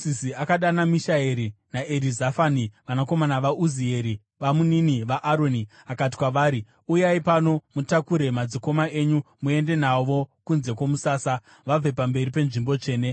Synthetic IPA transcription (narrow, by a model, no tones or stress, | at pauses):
isiakaɗanamiʃaeɾinaʔeɾizafaniʋanako̞manaʋaʔuzie̞ɾi | ʋamuniniʋaʔaɾo̞ni | akati̥kwaʋaːɾi | ujaipano̞mutakuɾe̞mad͡ziko̞maʔe̞ɲumue̞nde̞naʋo̞kunze̞komusaːsa | ʋab͡ve̞pambe̞ripe̞nʐimbo̞t͡ʂe̞ːne̞